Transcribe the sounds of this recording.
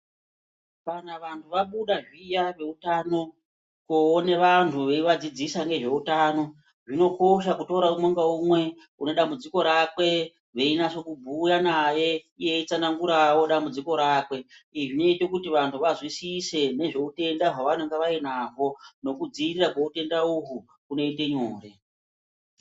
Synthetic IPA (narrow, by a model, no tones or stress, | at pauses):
panaʋantʰuʋaɓuɗaʐijaʋe̞utano̞ | koːneʋantʰuʋeiʋad͡zid͡zisaŋɡe̞ʐe̞utaːno̞ | ʐino̞ko̞ʃakuto̞ɾaumoŋɡaumwe̞ | uno̞ɗambud͡ziko̞ɾakwe̞ | ʋeinaso̞kubʱujanaje̞ije̞it͡sanaŋɡuɾawo̞ɗambud͡ziko̞ɾaːkwe̞iʐine̞ite̞kutiʋantʰuʋazwisise̞ne̞ʐe̞ute̞ndaʐaʋane̞ŋɡeʋainaːɦo̞no̞kud͡ziirirakoute̞ndauɦu | kuno̞ite̞ɲoːre